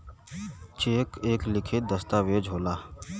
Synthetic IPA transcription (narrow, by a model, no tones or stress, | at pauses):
t͡ʃeːkeːklɪkʰɪt̪̚d̪ɐst̪aʋeːd͡ʒʱoːlaː